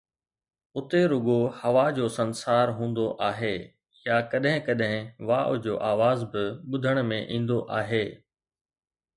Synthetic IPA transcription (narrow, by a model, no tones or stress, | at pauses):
ʊt̪eɾʊɡohɐʋad͡ʑoːsɐnsaːɾɦũːnd̪oʔaːɦeː | jakɐɗɦɪ̃kɐɗɦɪ̃ʋaːʔʊd͡ʑoːʔaːʋaːzbɪɓʊd̪ʱəɽ̃mẽʔĩːn̆d̪oʔaːɦeː